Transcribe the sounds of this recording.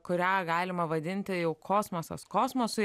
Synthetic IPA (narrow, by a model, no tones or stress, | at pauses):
kʊɾʲæːɡɑːlʲɪmɐʋɐd̪ʲɪnʲt̪ʲɪjɛʊkʰoːsmosɐ̰skoːsmosʊ